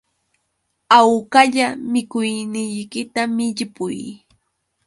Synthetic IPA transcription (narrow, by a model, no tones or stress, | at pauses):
awkaʎamɪkʊjnɪjkɪt̪amɪʎɪpʊj